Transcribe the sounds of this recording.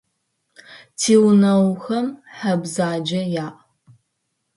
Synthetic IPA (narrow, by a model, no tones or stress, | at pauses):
tʰiːwnɐwxɐmħabzaːd͡ʒɐjaːʔ